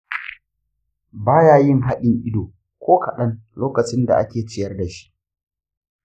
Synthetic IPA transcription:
baː˦jaː˦jɪ˦ŋɦa˦ɗɪ˨ŋʔɪ˦doː˨ | kʷʰoː˦kʰɐ˨ɗɐ˦nloː˦kɐ˨t͡ʃɪ˦nda̰˨ʔa̰˦kʲeː˨t͡ʃɪ˦jɐ˦rda˨ʃi̥˦ʔ

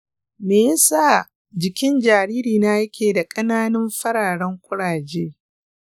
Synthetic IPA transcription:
meː˨ja˦saː˦˨ | d͡ʒɪ˨kʲɪ˦nd͡ʒaː˨ɽiː˦ɾiː˨na˦jɐ˦kʲeː˨da˨kʼɐ˦naː˦nɐ˦mɸɐ˦ɽaː˨ɽɐ˦ŋkʷʼʊ˦ɽaː˨d͡ʒeː˦

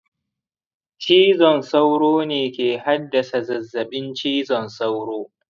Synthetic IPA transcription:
t͡ʃiː˦zɔ˨nsa˦wɽoː˦neː˨kʲeː˨ha˦dːɐ˨sa˨zɐ˨zːɐ˨ɓɪ˦nt͡ʃiː˦zɔ˨nsa˦wɽoː˦

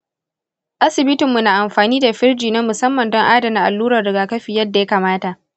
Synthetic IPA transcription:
ʔa˦sɪ˨bɪ˦tɪ˨mːu˨naː˨ʔa˨mɸaː˨niː˦da˨ɸɪ˦rd͡ʒiː˨naː˦mʊ˨sɐ˦mːɐ˨ndɔ˦ŋʔaː˦dɐ˨na˨ʔa˨lːuː˦ɾɐ˨rːɪ˨ɡaː˨kɐ˦ɸiː˨jɐ˦dːa˨ja˦kaː˨maː˦ta˨ʔ

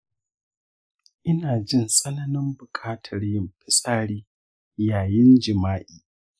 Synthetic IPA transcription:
ʔɪ˦naː˨d͡ʒɪ˦˨nsʼɐ˦nɐ˦nɪ˦mbʊ˨kʰʼaː˦tʰɐ˨rjɪ˦mɸɪ˦sʼaː˦ɽiː˦ | jaː˨jɪ˦nd͡ʒɪ˨maː˦ʔiː˨

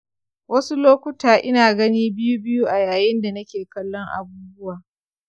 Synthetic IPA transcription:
wɐ˦su˦loː˦kʷʊ˦taː˨ʔɪ˦naː˨ɡɐ˦niː˦bɪ˦ju˦bɪ˦ju˦ʔa˨jaː˨jɪ˦nda˨nɐ˦kʲeː˨kɐ˦lːɔ˦ŋʔa̰˨buː˦bʊ˦waː˨

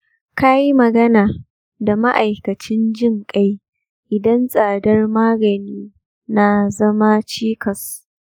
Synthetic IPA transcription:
ka˦ji˦mɐ˨ɡɐ˦naː˨ | da˨ma˦ʔa˨jkɐ˨t͡ʃɪ˦nd͡ʒɪ˦ŋkʼa˦j | ʔɪ˨dɐ˦nsʼaː˨dɐ˦rmaː˦ɡɐ˨niː˦ | na˨zɐ˦ma˦t͡ʃiː˦kʰɐ˨s

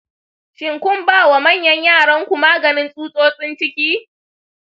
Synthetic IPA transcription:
ʃɪ˨ŋkʷʊ˦mbaː˦˨wa˨mɐ˦˨ɲjɐ˦ɲjaː˦˨ɽɐ˦ŋkʷu˨maː˦ɡɐ˨nɪ˦nsʼuː˦sʼoː˦sʼɪ˦nt͡ʃɪ˦kʲiː˦

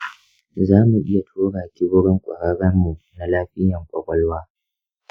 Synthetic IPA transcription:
zaː˦mu˨ʔɪ˦ja˨tʰoː˦ɽaː˨kʲɪ˦bʊ˦ɽɪ˦ŋkʷʼɐ̰˨ɽɐ˦ɽɐ˦mːu˨ | na˨laː˦ɸɪ˦jɐ˨ŋkʷʼɐ˨kʷʼɔ˦lwaː˦

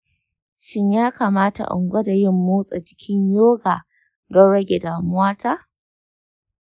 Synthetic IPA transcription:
ʃɪ˦ɲjaː˦kaː˨maː˦ta̰˨ʔʊ̰˨ŋɡʷɐ˦da˨jɪ˦mːuː˦sʼa̰˨d͡ʒɪ̥˦kʲʰɪ˦ɲjoː˦ɡaː˨ | dɔ˦nɽɐ˦ɡʲe˨daː˨mʊ˦aː˦ta˦

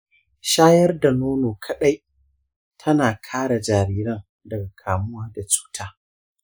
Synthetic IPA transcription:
ʃaː˦jɐ˦rda˨noː˦noː˨kʰɐ˨ɗa˦j | tʰɐ˦naː˨kʰaː˦ɽa˨d͡ʒaː˨ɾiː˦ɾɐ˦ŋ | dɐ˨ɡa˨kʰaː˨mʊ˦waː˦da˨t͡ʃu̥ː˦tʰaː˦

